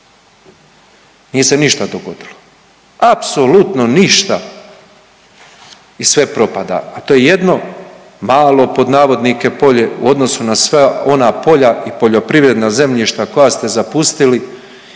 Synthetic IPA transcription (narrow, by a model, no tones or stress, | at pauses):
nijese̞niʃt̪ad̪oɡo̞d̪ilo | apso̞lut̪no̞niʃt̪a | isʋe̞pɾo̞pad̪a̰ːt̪o̞jeje̞d̪no̞ | maːlˠo̞po̞d̪naːʋo̞d̪nike̞po̞ʎeṵo̞d̪no̞sunasʋao̞napo̞ʎaipo̞ʎo̞pɾiʋɾe̞d̪naze̞mʎiʃt̪ako̞jast̪e̞zapust̪ili